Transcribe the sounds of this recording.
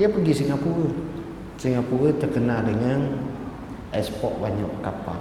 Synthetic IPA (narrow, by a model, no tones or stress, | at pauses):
iəpəɡisiŋapuɾə | siŋapuɾət̪ərkənadəŋan | ʔɛspɔʔ̚baɲa̰ʔkapa̰